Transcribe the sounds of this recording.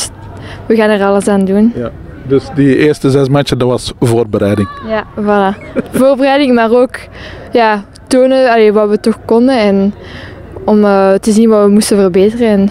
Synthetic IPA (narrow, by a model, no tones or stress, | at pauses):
ʋəɣaːnərɑləsaːndun | dəsdiɪːɹstəzɛsmat͡ʃədɑʋɑsvoːrbəɾɛjdɪŋjavɑlavoːrbərɛjdɪŋmaːroːk | jaː | toːnəɑleʋɑʋətɔxkɔndənɛn | ɔməːtəzinʋaʋəmustəvərbeːtərənɛn